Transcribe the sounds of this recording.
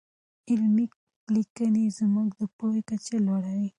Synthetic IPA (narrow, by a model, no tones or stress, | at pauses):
ɪlmi | likənezmuɡd̪əpowekat͡ʃeloɽawi